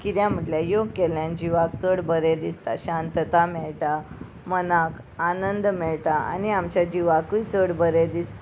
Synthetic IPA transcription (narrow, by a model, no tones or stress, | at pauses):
kit̪jãm̤əʈljajokeljãnd͡ʑiʋak̚t͡səɽbəɾed̪ist̪a̰ɕãnt̪ət̪amɛɭʈa | mənak | anənd̪mɛɭʈaa̰niamt͡ɕjad͡ʑiʋakuit͡səɽbəɾed̪ist̪